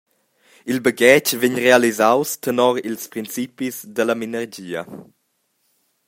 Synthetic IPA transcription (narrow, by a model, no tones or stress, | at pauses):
ilbəɡɛt͡ʃveɲrealizawst̪ənɔɾilspɾint͡sipizdəlɐminəɾd͡ʒiːɐ̰